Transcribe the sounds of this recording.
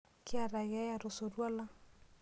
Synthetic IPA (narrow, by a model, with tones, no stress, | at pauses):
kɪ˦a˨ɾa˨ɣa˦ja˨ɾo˨so˨ɾwa˦la˦